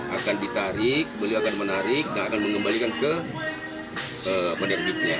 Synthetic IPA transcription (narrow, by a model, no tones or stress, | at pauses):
ʔakandit̪aɾɪk̚bəliwakanmənaɾɪk̚daŋakanməŋɡəmbalikankə | əpənərɡɪt̪̚ɲa